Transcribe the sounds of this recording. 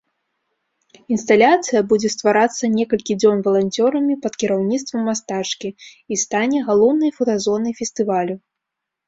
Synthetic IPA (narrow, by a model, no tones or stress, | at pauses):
inst̪alʲat̪sɨjɐbud͡zʲɛst̪vaɾat̪sːɐnʲɛkɐlʲkʲid͡zʲɔnvɐlˠanʲt͡sʲɔɾɐmʲipɐt̪kʲiɾawnʲit̪st̪vɐmːast̪at͡ʂkʲiist̪anʲɛɣalˠɔwnɐjfɐt̪azɔnɐjfʲɛst̪ɨvalʲu